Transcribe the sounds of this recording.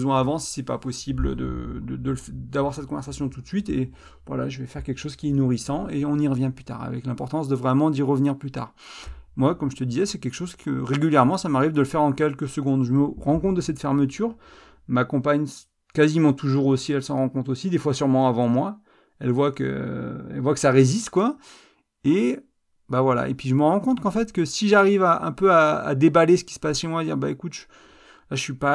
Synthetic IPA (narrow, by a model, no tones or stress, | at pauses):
zwɑ̃avɑ̃si̥sɛpa̰pɔsibld̪ə̰d̪əd̪əlfd̪avwaʁsɛt̪kɔ̃vɛʁsasjɔ̃t̪ut̪sɥit̪e | vwa̰la̰ʒəvɛfɛʁkʲɛlkʃozkʲiɛnuʁisɑ̃eɔ̃niʁəvjɛ̃plyt̪a̰ʁa̰vɛ̰klɛ̃pɔʁt̪ɑ̃sd̪əvʁɛmɑ̃d̪iʁəvniʁplyt̪a̰ʁ | mwakɔmʒət̪əd̪izɛsɛkʲɛlkʃozkʰə̰ʁeɡʲyljɛʁmɑ̃samaʁivd̪ələfɛʁɑ̃kʲɛlkəsəɡɔ̃d̪ʒəməʁɑ̃kɔ̃t̪̚d̪əsɛt̪fɛʁmət̪yʁ | makɔ̃paɲ | kazimɑ̃t̪ʰuʒuʁosiɛlsɑ̃ʁɑ̃kɔ̃t̪χosid̪efwasyʁmɑ̃avɑ̃mwa | ɛlvwakə̰ɛ̰lvwakə̥saʁezist̪kwa | e | bavwala̰ḛpɥiʒəməʁɑ̃kɔ̃t̪χkɑ̃fɛt̪kəsiʒaʁivaʔɛ̰̃pøa̰ːd̪ebalesə̥kʲi̥sə̥pasʃemwaːd̪iʁbaekut̪ʒ | laəʃɥipa